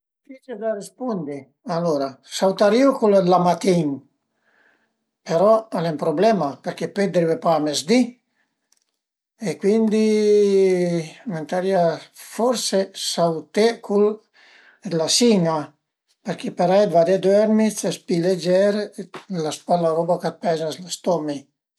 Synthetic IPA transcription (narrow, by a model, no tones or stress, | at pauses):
fit͡ʃed̪arispund̪i | aloɾasawt̪aɾiokulad̪lamat̪iŋ | peɾɔalɛmpɾoblɛmapeɾkeped̪ɾivepamezd̪i | ekwind̪i | ment̪aɾiafɔɾsesawt̪ekʰul | d̪lasiŋa | peɾkepeɾajd̪vad̪ed̪wɛɾmit͡sespiled͡ʒɛɾelaspalaɾɔbakat̪̚pɛzaslast̪ɔmi